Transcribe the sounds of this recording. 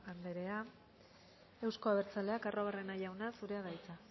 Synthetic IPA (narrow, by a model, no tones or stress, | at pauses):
and̪e̞ɾe̞a | e̞wsko̞aβe̞ɾt͡sale̞akaro̞β̞are̞najawnasuɾe̞aðajt͡sa